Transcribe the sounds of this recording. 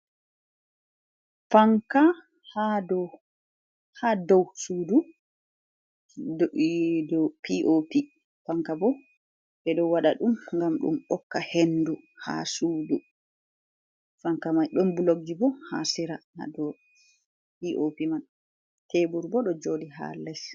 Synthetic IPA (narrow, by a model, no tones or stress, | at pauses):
faŋka | hadɔ | hadɔwsuːdu | dɔpiʔopi | faŋkabɔ | ɓɛɗɔwaɗa̰ɗumŋɡamɗṵmɔkːahenduha̰suːdu | faŋkamajɗɔmbuloɡibɔha̰siɾana̰dɔ | piʔopiman | tebuɾbɔɗɔd͡ʒoːɗiɦa̰lɛs